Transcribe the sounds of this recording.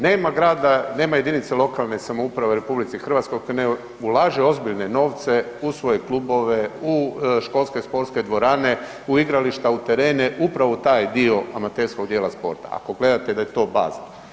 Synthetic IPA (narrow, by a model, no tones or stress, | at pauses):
ne̞ːmaɡɾaːd̪ane̞ːmaje̞d̪init̪selˠo̞kalˠnesamoupɾaʋeuɾe̞publit̪sixr̩ʋat̪skojkojne | ulaːʒeo̞zbiʎneno̞ːʋt̪se̞ | usʋo̞jeklubo̞ʋe̞uʃko̞lˠske̞spo̞ɾt̪sked̪ʋo̞ɾaːne̞ | uiɡɾaliʃt̪aut̪eɾe̞ːneʔupɾaʋot̪aːjd̪io̞amat̪eɾskoɡd̪jeːlaspo̞̰ɾt̪a̰a̰ko̞ɡle̞d̪at̪ed̪ajet̪o̞ːba̰ːzal